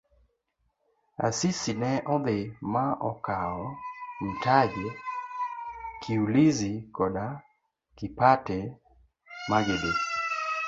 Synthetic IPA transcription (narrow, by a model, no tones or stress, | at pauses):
a̰sisinɛʔɔd̪ɪmaʔɔkaɔn̩tad͡ʒe | kʰiulizikɔda | kɪpatɛ | maɡɪde